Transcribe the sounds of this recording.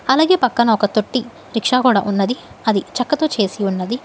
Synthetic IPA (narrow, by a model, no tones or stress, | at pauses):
ɐlaːɡeːpɐkːɐnɐɔkɐt̪oʈːi | ɾikʂaːkuːɽaːʔunːɐd̪i | ɐd̪it͡ʃɐkːɐt̪oːt͡ʃe̞ːsiunːɐd̪i